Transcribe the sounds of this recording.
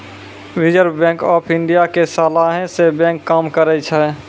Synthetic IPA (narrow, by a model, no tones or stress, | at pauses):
wid͡ʒəɾbɛ̃ːŋkɔːpʰɪ̃ɳɖijakesaːlaɦẽsebɛ̃ːŋkːaːmkəɾɛt͡ʃʰɛː